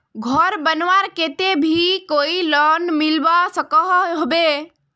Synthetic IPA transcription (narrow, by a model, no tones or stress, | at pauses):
ɡʱɔɾbənʋaɾkeːt̪ebʱikoːilɔnmɪlʋasəkəɦɦbe